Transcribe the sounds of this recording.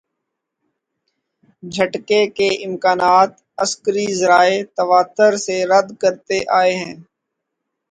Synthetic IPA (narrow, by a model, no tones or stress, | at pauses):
d͡ʒʱəʈkekeɪmkaːnaːt̪ | əskəɾizəɾaːet̪əʋaːt̪əɾseɾəd̪kəɾt̪eʔaːeɦɛ̃ː